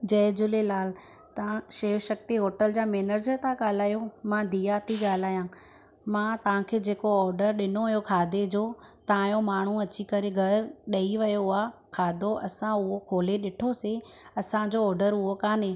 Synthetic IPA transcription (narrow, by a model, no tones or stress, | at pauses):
d͡ʑɐːd͡ʑʊlelaːl̤ | t̪ãʃeːʋʃɐk̚t̪iɦoːʈəld͡ʑaːmeːnəɾd͡ʑət̪ʰãɠaːl̤aːjomãd̪ʱiːjat̪ʰiɠaːl̤aːjã | mãt̪ɐʋ̤ãkʰeːd͡ʑeːkoɔːɾɖəɾɗɪnoʋɐjokʰaːd̪ed͡ʑoːt̪ãːjomaːɳ̤uɐt͡ɕikɐɾeɡʱɐɾɗɐiʋɐjoaːkʰaːd̪ʱoʔɐsãʊɦokʰoːleɗɪʈʰoseɐsãd͡ʑoɔːɾɖəɾʊɦokaːnẽː